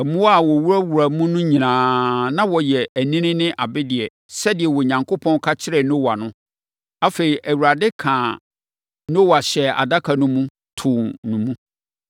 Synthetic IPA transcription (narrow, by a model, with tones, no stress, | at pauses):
ɛ˨mũ˦wa˦˨wɔ˨wu˦ɾa˦wu˨ɾa˨mũ˦nʊ̃˦ɲĩ˨nãː˨nã˦wɔ˨jɛ˨æ˨nĩ˦nɪ̃˦nɪ̃˦ʔa˨bɪ˦dɪ˨ɛ˨ | sɛ˦dɪ˨ɛ˨wɔ˨ɲã˨ŋkʰo˦pʰɔ̃˦n˦kʰa˦t͡ɕʰɪ˦ɾɛ˨nõ˦wa˨nʊ̃˦ | a˦fe˨ɾi˨ʔæ˨wu˨ɾa˨dɪ˦kʰã˨ | no˦wa˨ɕɛ˨a̰˨da˦kʰa˨nʊ̃˦mũ˦ | tʰʊ̃˨nũ˨mũ˦